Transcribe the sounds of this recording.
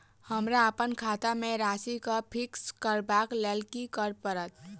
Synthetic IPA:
həmɾaəpənkʰat̪ameɾasikəpʰikskəɾbaklelkikəɾpəɾət̪

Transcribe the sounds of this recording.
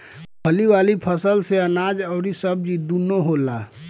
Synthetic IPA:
pʰəliwaːlipʰəsəlseənaːd͡ʒəʊɾisəb̚d͡ʒid̪unoɦolaː

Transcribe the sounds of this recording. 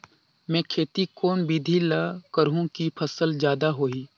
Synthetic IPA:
mɛ̃ːkʰeːt̪ikoːnbid̪ʱilakəɾɦũkipʰɐsəld͡ʒjaːd̪aɦoːiː

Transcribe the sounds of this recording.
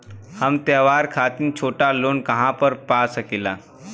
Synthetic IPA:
hɐmt̪əːʋaːɾkʰaːt̪ɪnt͡ʃʰoːʈaloːnkɐɦãpəɾpaːsəkilaː

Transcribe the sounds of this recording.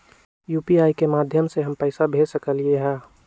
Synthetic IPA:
juːpiaːikemaːd̪ʱjəmseɦəmpɛːɪsabʱeːsəkəlieɦɛ̃ː

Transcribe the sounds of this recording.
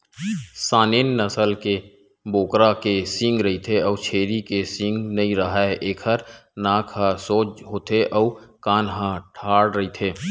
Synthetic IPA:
saːneːnːəsəlke | boːkɾakesɪ̃ŋɡɾɐɦit̪ʰeɔːt͡ʃʰeːɾikesɪ̃ŋɡnɐĩɾəɦaeʔeːkʰəɾnãːkʰɦasoːd͡ʒɦoːt̪ʰeʔɔːkaːnɦãʈʰaːɽɾəɦit̪ʰeː

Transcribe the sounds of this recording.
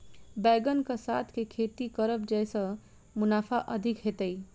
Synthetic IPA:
bajɡənkasat̪ʰkekʰeʈ̪ikʌɾəp̚d͡ʒajsʌ | munapʰaʔəd̪ʱikɦet̪əj

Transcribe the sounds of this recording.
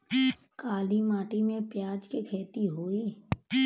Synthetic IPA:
kaːlimaːʈimẽpjaːd͡ʒkekʰeːt̪iɦoːiː

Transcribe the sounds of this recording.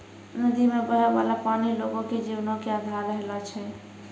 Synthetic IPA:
nəd̪imebəɾaʋa̰lapaniloɡõked͡ʒiwnõkead̪ʱaɾːəɦlɔt͡ʃʰɛ

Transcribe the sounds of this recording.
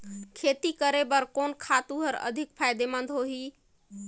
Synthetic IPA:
kʰet̪ikəɾebəɾkonkʰat̪uɦəɾə̰d̪ʱik̚pʰajd̪emənd̪ʱɦoɦi

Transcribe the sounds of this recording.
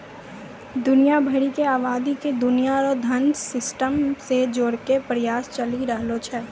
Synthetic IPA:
d̪ʊnijabʱɐɽikeaːʋaːd̪iked̪ʊnijaɾɔd̪ʱɐnsɪsʈəmsed͡ʒoːɽkepɾɐjaːst͡ʃəliɾəɦlot͡ʃʰɛː

